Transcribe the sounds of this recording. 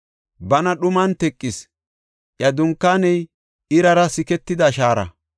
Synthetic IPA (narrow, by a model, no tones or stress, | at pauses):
bɐnɐɗʊmɐnt̪ɛkʼːɪs | ʔjɐd̪ʊŋkːaːnɛj | ɪɾɐɾɐsɪkɛt̪ːɪd̪ɐʃaːɾɐ̰